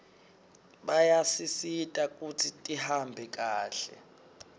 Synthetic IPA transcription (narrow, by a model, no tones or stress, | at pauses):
ɓajasisitʼak̬ʼutʰitʼihambʱɛk̬ʼaːɬɛ̰